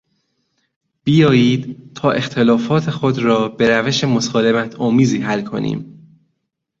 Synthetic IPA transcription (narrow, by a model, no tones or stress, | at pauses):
b̥ijɒːjiːd̪t̪ʰɒːʔe̞xt̪ʰe̞lɒːfɒːt̪ʰe̞xo̞d̪ɾɒːbe̞ɾæveʃe̞mosɒːlemæt̪ʰɒːmiːziːɦælkʰo̞̰nḭːm